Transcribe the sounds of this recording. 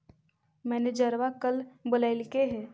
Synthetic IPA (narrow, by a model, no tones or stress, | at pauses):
mɛːned͡ʒəɾʋakəlbʊlaːɪlkeɦɛː